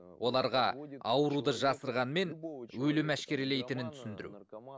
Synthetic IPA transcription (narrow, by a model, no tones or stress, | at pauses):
wʔo̞lˠɑɾʁɑɑwəɾud̪əʒɑsəɾʁɑnme̞nwɵlɪmæʃkʲe̞ɾele̞jt̪ɪnɪnt̪ʰʏ̥sɪnd̪ɪɾṵ